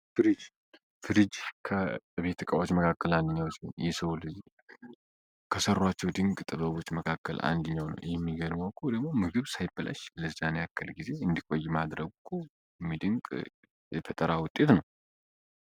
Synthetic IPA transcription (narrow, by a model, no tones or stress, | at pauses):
fɨɾɨd͡ʒ | fɨɾɨd͡ʒkʰəɨβe̞t̪ʰːɨkʼawot͡ʃːməkʰakːəland̪ɨɲːawt͡ʃːnjɛsəwulɨzi | kʰəsərːwat͡ʃːɛwd̪ɨŋɡʼt̪ʼɨβəβo̞t͡ʃːməkʰakːə̰la̰nd̪ɨɲːawnə̰wjɛmːiɡəd̪mawkʰːud̪əɡmo̞mɨɡɨβsajɪbɨla̰ʃləzːanejakːəlɡize̞ɨnd̪ikʷʼo̞jːmad̪ɾəɡkʰu | mːid̪ɨŋkʼ | jɛt̪ʰət̪ʼəɾawʊt̪ʼe̞t̪nəw